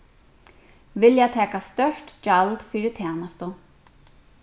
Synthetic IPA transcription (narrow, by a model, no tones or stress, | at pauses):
vɪljat̪ʰɛːkast̪œʂt̪d͡ʒalt̪fiːɾɪt̪ʰɛːnast̪ʊ